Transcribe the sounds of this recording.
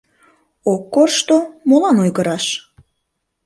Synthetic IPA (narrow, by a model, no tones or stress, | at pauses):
okːorʃt̪omolɑnojɣəɾɑʃ